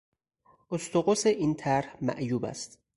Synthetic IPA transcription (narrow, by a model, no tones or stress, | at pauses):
ost̪ʰoɣoseʔiːnt̪ʰæɾhmæ̰ʔjuːbæ̰st̪